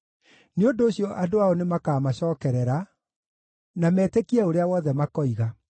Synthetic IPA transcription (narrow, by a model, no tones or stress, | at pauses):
neondoːɕjɔʔadoaɔnemakaːmaɕɔːkɛɾɛɾa | namɛːtekiɛoɾeawɔːðɛmakɔiɣa